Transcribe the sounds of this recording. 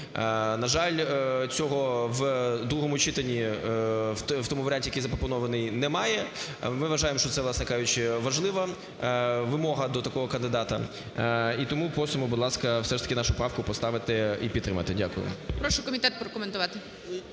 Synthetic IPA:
nɐʒɑlʲt͡sʲɔɦɔʋd̪ɾuɦɔmʊt͡ʃit̪ɐnʲːi | t̪ɔmʊʋɐɾʲanʲtʲijɐkejzɐpɾɔpɔnɔʋɐnɪjnɛmɑjɛmɪʋɐʒɑjemʃt͡ʃɔt̪sɛʋlˠɑsnɛkɑjʊt͡ʃɪʋɐʒlˠɪʋɐ | ʋɪmɔɦɐd̪ɔt̪ɐkɔɦɔkɐnd̪ɪd̪ɑt̪ɐ̰ | it̪ɔmupɔsɔmʊbʊd̪lˠɑskɐfsɛʃt̪ɐ̥kʲɪnɑʃʊpɾɑwkʊpɔst̪ɑʋɪt̪ɪipʲit̪t̪ːɾɪmɐ̰t̪ɪdʲakʊjʊ̰mpɾɔʃʊkɔmʲɪt̪ɛt̪pɾɔkɔment̪ʊʋɑt̪ɪ

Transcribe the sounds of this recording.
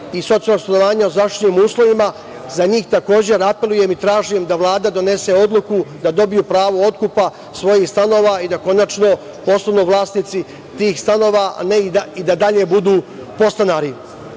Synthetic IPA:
iso̞t̪ijlnokst̪ano̞ʋaːɲaozaʃt̪niːmuːslˠo̞ʋima | zaɲiːxt̪ako̞ːd͡ʑe̞ɾape̞lˠuje̞mit̪ɾaːʒijemd̪aʋlˠaːd̪ad̪o̞ne̞se̞o̞d̪lˠukud̪ad̪o̞bijupɾaːʋoo̞t̪kupa | sʋo̞jiːxst̪ano̞ːʋaid̪ako̞nat͡ʃno̞ | po̞sanuʋlˠaːsnit̪si | t̪iːxst̪ano̞ːʋaa̰neiaid̪ad̪aʎe̞bud̪uː | po̞st̪anaɾi

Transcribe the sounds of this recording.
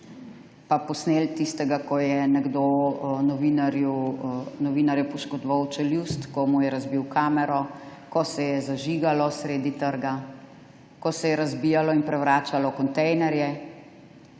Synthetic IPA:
papɔsneːlt̪ist̪ɛɡakɔjɛnɛɡd̪onɔʋinaɾjunɔʋinaɾjɛpɔʃkɔd̪ɔʋawt͡ʃɛljust̪kɔmujɛɾazbiwkaːmɛɾɔkɔsɛjɛzaʒiɡalɔsɾeːd̪it̪əɾɡa | kɔsɛjɛɾazbijalɔinpɾɛwʋɾaːt͡ʃalɔkɔnt̪ɛjnɛɾjɛ

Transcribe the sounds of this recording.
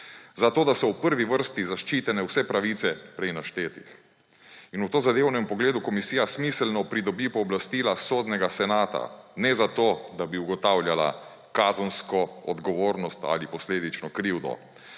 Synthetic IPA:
zat̪oːd̪asɔwpəɾʋiʋəɾst̪izaʃt͡ʃiːt̪ɛnɛwsɛpɾaʋit̪sɛpɾɛjnaʃt̪eːt̪ix | inuwt̪oːzad̪ewnɛmpɔɡleːd̪ukɔmisijasmislnɔpɾid̪ɔbipɔːblast̪iːlasoːd̪nɛɡasɛnaːt̪a̰nɛzat̪oːd̪abiuɡɔt̪aːwljala̰ | kazənskɔɔd̪ɡɔʋoːɾnɔst̪a̰lipɔsleːd̪it͡ʃnɔkɾiwd̪ɔ̰

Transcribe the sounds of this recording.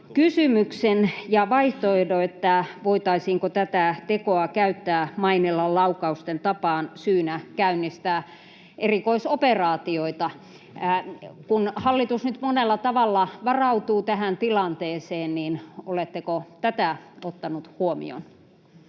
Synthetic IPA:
kysymyksenjɑʋɑiht̪oidoet̪ːæʋoit̪ɑisiːŋkot̪æt̪æt̪ekoɑkæyt̪ːæːmɑinelːɑllɑukɑust̪ent̪ɑpɑːnsyːnækæynːist̪æː | ʔerikoisoperɑːt̪ioit̪ɑ | kunhɑlːit̪usnyt̪monelːɑt̪ɑʋɑlːɑʋɑrɑut̪uːt̪æhænt̪ilɑnt̪eːseːnniːnolet̪ːekot̪æt̪æot̪ːɑnut̪huomḭo̰n

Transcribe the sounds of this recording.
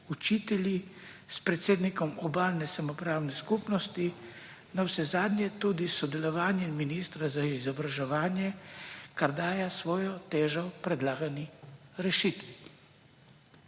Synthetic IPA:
ut͡ʃiːt̪ɛljispɾɛt̪seːd̪nikɔmɔbaːlnɛsamɔpɾaːwnɛskupnɔst̪i | nawsɛzaːd̪njɛt̪uːd̪isɔd̪ɛlɔʋaːnjɛminist̪ɾazaizɔbɾaʒɛʋaːnjɛkaɾd̪aːjasʋɔːjɔt̪eːʒɔpɾɛd̪laːɡaniɾɛʃit̪ʋi

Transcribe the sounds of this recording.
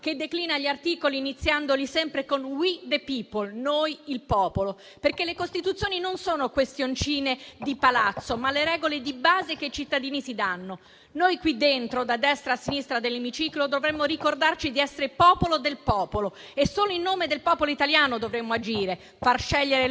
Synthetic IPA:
k̟ed̪ːekliːnaʎːiart̪iːkoliːnit̪sːjand̪olisɛmpɾekonwid̪epipolnojilpɔːpolo | perkelːekost̪it̪ut̪sːjoːninonsoːnokwest̪jont͡ʃiːned̪ipalat̪sːomalːeɾɛːɡoled̪ibaːzek̟eit͡ʃit̪ːad̪iːnisid̪anːo | nojkwid̪ːent̪ɾod̪ad̪ɛst̪ɾaːsːinist̪ɾad̪elːemit͡ʃiːklod̪ovɾemːoɾikord̪art͡ʃid̪iɛsːeɾepɔːpolod̪elpɔːpolo | esːoːloilnːoːmed̪elpɔːpoloit̪aljaːnod̪ovɾemːoad͡ʒiːɾe | farʃɛʎːeɾe

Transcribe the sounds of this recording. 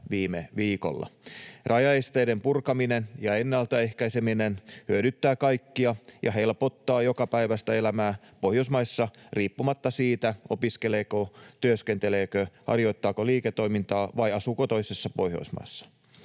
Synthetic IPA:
ʋiːmeʋiːko̰lːɑ̰rɑjɑest̪eidempurkɑminenjɑenːælt̪æehkæiseminenhyøɾyt̪ːæːkɑikːiɑjʔɑ̰helpot̪ːɑːjokɑpæiʋæst̪æelæmæː | pohjosmɑisːɑriːpːumɑt̪ːɑsiːt̪æopiskeleːkot̪yøskent̪eleːkøhɑ̰rjoit̪ːɑːkoliːket̪ːoimint̪ɑːʋɑiɑsuːkot̪oisesːɑpohjo̰ismɑ̰ːsːɑ̥

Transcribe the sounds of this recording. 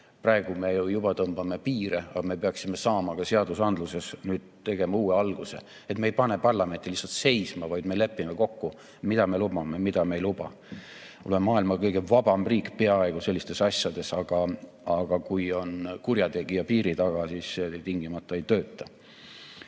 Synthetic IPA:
prɑe̞ɡ̥ume̞jujubɑt̪ɤmb̥ɑme̞piːɾeɑ̰ɡɑme̞peɑksime̞sɑːmɑkɑseɑd̪̥usɑnd̪luse̞snyːd̪̥t̪e̞ɡ̥e̞mɑuːeɑlɡ̥use̞̰ | et̪mejpɑne̞pɑrlɑme̞nt̪ːˑilisːɑlt̪se̞jsmɑvɑjd̪̥mele̞pːime̞ko̞kːu | mid̪ɑme̞lub̥ɑmemid̪̥ɑmejlub̥ɑ̰ | olemɑːilmɑkɤjɡ̥e̞vɑb̥ɑmriːkpe̞ɑe̞ɡ̥use̞lʲːist̪e̞sɑsʲjɑd̪̥e̞sɑɡ̥ɑ | ɑɡ̥ɑkujo̞nkurjɑt̪e̞ɡ̥ijɑpiːɾit̪ɑɡ̥ɑsisset̪iŋɡ̥imɑt̪ːˑɑe̞jt̪ø̞ːt̪ˑːɑ

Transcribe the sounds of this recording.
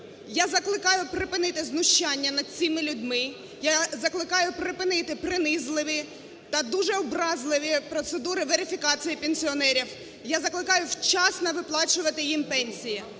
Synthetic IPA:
jazɐklˠɪkɑjʊpɾɪpɪnɪt̪ɪznʊʃt͡ʃɑnʲːɐnɐd̪̚t͡sʲimɪlʲʊd̪ʲmɪ | jazɐklˠɪkɑjʊpɾɪpɪnɪt̪ɪpɾɪnɪzlˠɪʋʲi | t̪ɐd̪uʒɛɔbɾɑzlˠɪʋʲipɾɔt̪sed̪uɾɪʋeɾʲɪfʲikɑt͡sʲijipenʲsʲiɔnɛɾʲiw | jazɐklˠɪkɑjʊwt͡ʃɑsnɐʋɪplˠɑt͡ʃʊʋɐt̪ɪjimpɛnʲsʲiji

